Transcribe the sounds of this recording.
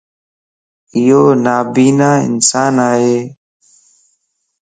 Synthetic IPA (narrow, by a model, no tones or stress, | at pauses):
ɪjoːnaːbiːnaːɪ̰nsaːnaːɦeː